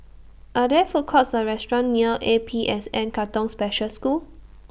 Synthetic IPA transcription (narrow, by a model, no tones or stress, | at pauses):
ʔadɛfokʰɔtsəɹɛstɹɔ̃nːiəʔepʰiʔɛsɛ̃nkatɔ̃ŋspɛʃəlsku